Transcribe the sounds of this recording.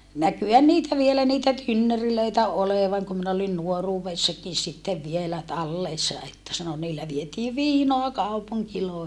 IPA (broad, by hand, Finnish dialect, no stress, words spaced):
nækyhæn niːtæ ʋielæ niːtæ tynːøriløitæ oleʋɑŋ kum min olin nuoruːʋesːɑkin sitːeʋ ʋielæ tɑlːeˑsːɑ etːæ sɑno niːlːæ ʋietiː ʋiːnoɑ kɑupuŋkiloˑehi